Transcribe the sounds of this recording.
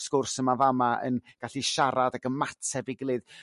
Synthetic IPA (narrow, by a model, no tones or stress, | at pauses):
skʊrsəmavamaə̰nɡ̥aɬiʃaɾadaɡəmatʰɛbɪɡlˠɨð